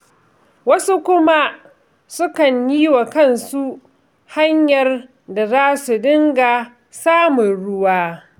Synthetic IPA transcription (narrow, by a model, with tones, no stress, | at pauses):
wɐ˦su˦kʷʊ˦ma˦ | sʊ˦kɐ˨ɲjiː˦wa˨kɐ˦˨nsu˦ʔ | ha˦ɲjɐ˨r | da˨zaː˦su˨dɪ˦ŋɡa˨ | saː˦mʊ˨nɽʊ˦waː˦